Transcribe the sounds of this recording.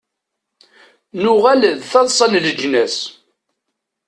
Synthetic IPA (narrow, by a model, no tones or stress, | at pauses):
nʊʁæləðθɑðˤsˤɑnləd͡ʒnæs